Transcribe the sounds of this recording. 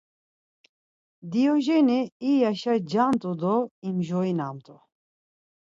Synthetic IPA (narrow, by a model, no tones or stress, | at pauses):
d̪iɔʒɛniːjaʃad͡ʒamt̪ʼud̪ɔimʒɔinamt̪ʼu